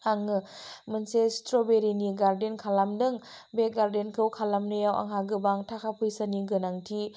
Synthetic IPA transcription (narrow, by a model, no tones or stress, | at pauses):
aŋɯmɯnsestɾobeɾiniɡaɾdenkʰalamdɯŋ | beɡaɾdenkʰɯwkʰalamnɯjawʔa̰ŋɦaɡɯbaŋtʰakʰapʰɯjsaniɡɯnaŋtʰi